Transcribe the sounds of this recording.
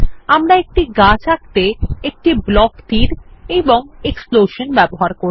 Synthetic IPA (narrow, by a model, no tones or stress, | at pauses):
amɾaek̚ʈiɡat͡ɕak̚t̪eek̚ʈiblɔkt̪iɾeboŋeksploʃonbɛboɦaɾkoɾ